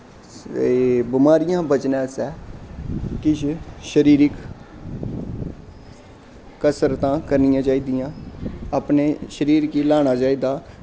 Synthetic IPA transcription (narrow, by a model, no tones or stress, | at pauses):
bɪmaːɾɪjãːbət͡ʃnãːsɛː | kɪʃʃəɾiːɾɪk | kəsəɾt̪ãːkəɾnɪjãːt͡ʃaːiːd̪ɪjãːaːpneːʃəɾiːɾkiːlaːɽ̃aːt͡ʃaːiːd̪aː